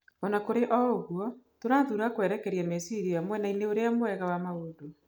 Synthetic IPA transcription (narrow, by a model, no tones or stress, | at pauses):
ɔnakoɾeʔɔoɣwɔtoɾaːðuɾakwɛɾɛkɛɾiamesiɾijamwɛnaineoɾeamowɛɣawamaodo